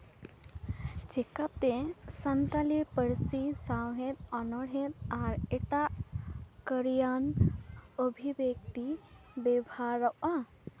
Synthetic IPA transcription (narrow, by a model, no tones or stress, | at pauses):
t͡ʃekat̪esɐnt̪alipəɾsisawɦet̪ɔnɔɽɦẽt̪aɾeʈa | kəɾijan | əbʱibek̚t̪ibebʱaɾəʔa